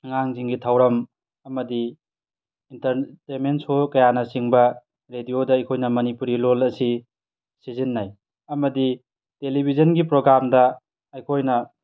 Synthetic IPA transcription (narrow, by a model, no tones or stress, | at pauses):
ŋaŋziŋɡitʰawɾɐm | ɐmɐdiː | ntɐɾtementsokɐjanɐsiŋbɐ | ɾedijodɐɐjkʰojnɐmɐnipuɾilolɐsi | sizinːaj | ɐmɐdi | telibʱizɐnɡipɾoɡɾamdɐ | ɐjkʰojnɐ